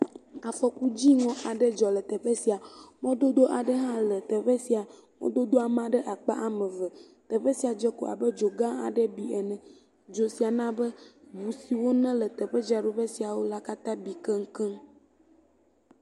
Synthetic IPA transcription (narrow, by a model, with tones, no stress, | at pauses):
a˨fɔ˦ku˦d͡ʑi˦ŋɔ̃˨ʔa˨ɖɛ˦d͡ʒɔ˨lə˨t̪ɛ˨ɸe˦si˨a˨ŋɔ̃˦d̪o˦d̪o˦ʔa˨ɖə˦ɦã˦lə˨t̪ɛ˨ɸɛ˦si˨a˨ | ŋɔ̰̃˦d̪o˦d̪o˦a˨mã˦ɖɛ˦ʔa˨k͡pa̰˦ʔa˨mɛ̃˨və˨ | t̪ɛ˨ɸɛ˦si˨a˨d͡ʒɛ˦ko̰˨a̰˨bə˦d͡ʒo˨ɡã˦a̰˨ɖɛ˦bi˨ɛ˨nɛ̃˨ | d͡ʒo˨si˨a˨nã˦bɛ˦bu˨si˨wo˦nɛ̃˦lə˨t̪ɛ˨ɸɛ˦d͡ʒa˨ɖo˨ɸɛ˦si˨a˨wo˦la˦ka˦t̪ã˦bi˨kɛ˦ŋ̩˦kɛ˦